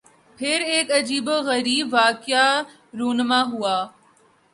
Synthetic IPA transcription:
pʰɪɾeːkɐd͡ʒiːboɣɐɾiːbʋaːkja | ɾoːnmaɦʊaː

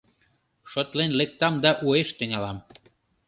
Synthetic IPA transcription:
ʃot̪lenlek̚t̪ɑmd̪ɑʔueʃt̪øŋʲɑlɑm

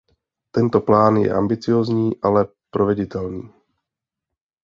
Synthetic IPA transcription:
t̪ɛnt̪o̞plaːnjɛ̰ʔa̰mbɪt͡sɪjo̞ːzɲiːʔalɛ | pɾovɛɟɪt̪ɛlniː

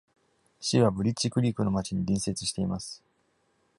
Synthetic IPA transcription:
ɕiβabɯ̟ɾʲit͡ɕːikɯ̟ɾʲiːkɯ̟no̞mat͡ɕiɲ̟iɾʲĩɰ̃se̞t͡sɨ̥ɕi̥t̪e̞imasɨ̥

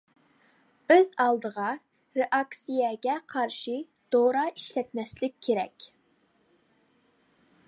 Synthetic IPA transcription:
øzɑlˠd̪əʁɑ | ɾeʔɑksijɛɡʲɛqʰɑɾʃi | d̪̥oɾɑiʃlɛt̪mɛslɪkʲʰːeɾɛ̰kʲ

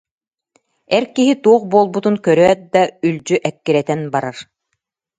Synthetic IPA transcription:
ɛɾkiɦit̪uɔχbuːlˠbut̪unkœɾœɛt̪̚d̪aylʲd͡ʑyʔɛkːiɾɛt̪ɛnbaɾaɾ

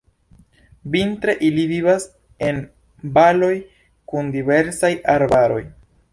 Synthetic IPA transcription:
vintɾe̞ʔilivivas | e̞n | balo̞j | kundive̞ɾsajʔaɾbaɾo̞̰j

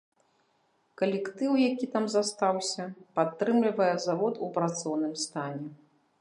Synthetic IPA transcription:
kɐlʲɛkt̪ɨwjakʲit̪amzast̪awsʲɐpat̪ːɾɨmlʲivɐjɛzavɔt̪upɾat̪sɔwnɨmst̪anʲɛ

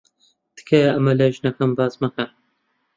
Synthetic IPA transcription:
d̪̥ɨ̥kʰeɐmɐlɐʒnɐkɐmbaːzmɐkɐn

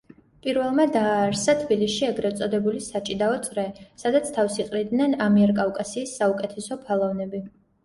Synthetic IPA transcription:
pʼiɾvɛlˠmad̪aːɾsat̪ʰbiliʃiɛɡɾɛt̪sʼɔd̪ɛbulisat͡ʃʼid̪aɔt̪sʼɾɛsad̪at̪sʰt̪ʰafsiqʼɾid̪nɛnamiɛɾkʼavkʼasiːsːaukʼɛt̪ʰɛsɔpʰalˠɔvnɛbi

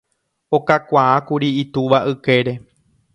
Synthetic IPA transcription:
o̞kakʷaakuɾiːt̪uʋaʔɨke̞ɾe̞

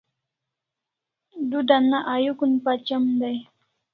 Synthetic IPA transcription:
d̪ʊd̪anaʔajʊkʊnpat͡ʃamd̪aj

